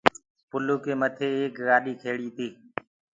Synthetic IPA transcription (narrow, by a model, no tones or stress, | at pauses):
pʊluːkeːmət̪ʰeːeːkɣaːɗiːkʰeːɽiːt̪iː